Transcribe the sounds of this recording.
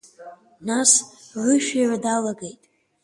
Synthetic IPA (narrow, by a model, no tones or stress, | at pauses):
nasʕʷɨʃᶣiʕadalaɡe̞jtʼ